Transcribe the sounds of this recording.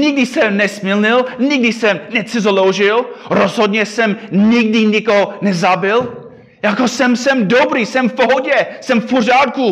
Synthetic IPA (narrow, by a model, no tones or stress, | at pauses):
ɲɪɡ̚dɪsɛmnɛsmɪlɲɪlɲɪɡ̚dɪsɛmnɛt͡sɪzolowʒɪlɾozɦodɲɛsɛmɲɪɡ̚dɪɲɪkoɦonɛzabɪl | jakosɛmsɛmdobɾiːsɛmfpoɦoɟɛsɛmfporaːt̪̚ku